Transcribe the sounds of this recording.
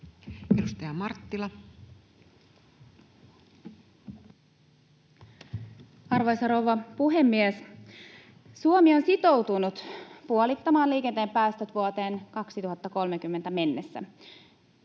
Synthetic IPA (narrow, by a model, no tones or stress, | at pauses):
edust̪ɑjɑmɑrt̪ːilɑ | ɑrʋɑjsɑɾowʋɑpuɦemːies | suomio̞nsit̪o̞wt̪unut̪puolit̪ːɑmɑːliːkent̪eːmpæːst̪øt̪ʋuot̪e̞ːnkɑksit̪uɦɑt̪ːɑko̞lmek̟ymːe̞nt̪æme̞nːesːæ̰